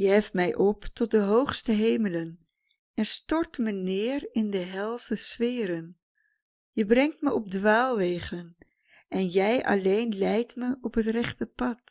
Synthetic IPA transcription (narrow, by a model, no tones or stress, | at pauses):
jəɦɛftmɛjʔɔptɔt̚dəɦowχstəɦejmələn | ɛnstɔɹtmənɪːɹɪndəɦɛlˠsəsfɪːɾən | jəbrɛŋtməʔɔb̚dʋaːlˠʋejχən | ʔɛnjɛjɑ̰lejnlɛjtməʔɔpɦətrɛχtəpɑt